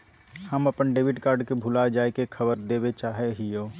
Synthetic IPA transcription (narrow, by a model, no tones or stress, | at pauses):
həməpənɖeːbiʈkaːɾɖkebʱʊlad͡ʒaːekekʰəbəɾd̪eːbet͡ʃaːɦeɦijoː